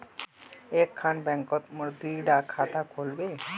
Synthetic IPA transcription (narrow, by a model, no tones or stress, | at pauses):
ekʰːanbɛŋkɔt̪moɾd̪iɖakʰat̪akolbe